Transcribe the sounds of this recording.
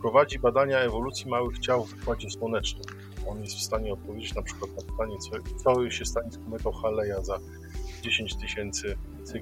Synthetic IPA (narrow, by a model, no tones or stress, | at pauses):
pɾɔvad͡ʑibad̪aɲaɛvɔlut̪sʲjimawɘɣd͡ʑawvpwad͡ʑɛswɔnɛt͡ʂnɛ | ɔnjɛst̪fst̪aɲɛɔt̪̚pɔvʲed͡ʑet͡ɕnapʂɘkwat̪̚napɘ̥t̪aɲɛt̪sɔt̪sɔɕɛst̪aɲiskɔmɛk̪ɔwxalɛjaza | d͡ʑeɕeɲt͡ɕt̪ɘɕɛnt̪sɘ | t̪sɘ